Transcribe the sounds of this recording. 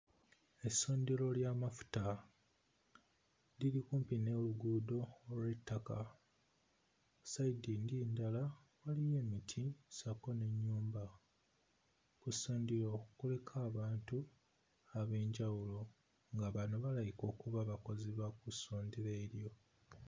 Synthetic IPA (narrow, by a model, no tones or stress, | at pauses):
e̞sːo̞ːndilo̞ljamafu̥ta | lilikuːmpine̞luɡuːdo̞ːlwe̞tʰːaka | saidindindala | walije̞ːmitʰisako̞ne̞ɲːuːmba | kusoːndiɾo̞ːkukole̞kʰaːβaːntu | aβe̞ːɲɟawulo̞ | ŋɡaβano̞βalajiko̞ːkuβaβako̞ziβakusoːndiɾeːɾjo̞